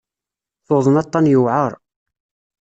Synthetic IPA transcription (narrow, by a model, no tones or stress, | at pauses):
θoðˤənɑt̪ˤːɑnjəwʕəɾˤ